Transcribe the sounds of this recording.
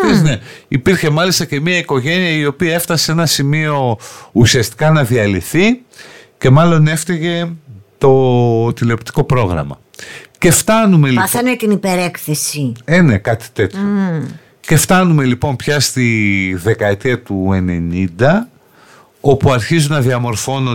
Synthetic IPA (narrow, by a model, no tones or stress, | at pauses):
esneipiɾçe̞mɐlist̪ɐce̞miɐiko̞ʝe̞niɐio̞piɐe̞ft̪ɐseenɐsimio̞usiɐst̪i̥kɐnɐðiɐliθi | ce̞mɐlo̞ne̞ft̪eʝe̞t̪o̞t̪ileopt̪i̥ko̞pɾo̞ɣɾɐ̰mɐ̰ | ce̞ft̪ɐnume̞ɐfent̪inipeɾekθesiene̞kɐt̪i̥t̪e̞t̪o | ce̞ft̪ɐnume̞lipo̞mpçɐst̪iðe̞kɐet̪iɐt̪ue̞ne̞nind̪ɐ | o̞puɐɾçizunɐðiɐmo̞ɾfo̞no